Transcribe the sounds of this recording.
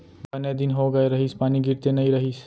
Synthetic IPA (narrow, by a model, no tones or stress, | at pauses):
bɐned̪inɦoɡəjɾəɦispaːniɡiɾt̪enəĩɾəɦis